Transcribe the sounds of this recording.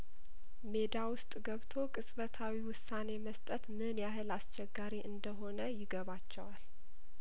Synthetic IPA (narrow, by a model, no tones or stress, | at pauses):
me̞d̪awʊst̪ʼɡəβt̪ʰo̞kʼɨsʼβət̪ʰawiwʊsːane̞məst̪ʼət̪mɨnjaɦɨlast͡ʃɛɡːaɾiʔɨnd̪əɦo̞nəjɪɡəβat͡ʃːɛwal